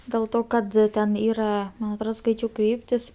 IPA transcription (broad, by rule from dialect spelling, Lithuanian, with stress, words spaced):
dʲeːlˠ ˈtoː kɐt ˈtʲɛn ˈiːrɐ mɐn ɐtˈroːt ˈskɐɪt͡ʃʲɛʊ ˈkrʲiːpʲtʲɪs